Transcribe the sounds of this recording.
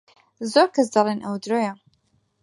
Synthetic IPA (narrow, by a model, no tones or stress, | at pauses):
zoɾkɐs̬d̪ɑlˠenʔɐwd̪ɾoːjɐ